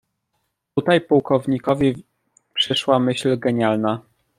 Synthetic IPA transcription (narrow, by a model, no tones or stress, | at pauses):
t̪ut̪ajpuwkɔvɲikɔvʲi | pʂɘʂwamɘɕlɡɛɲalna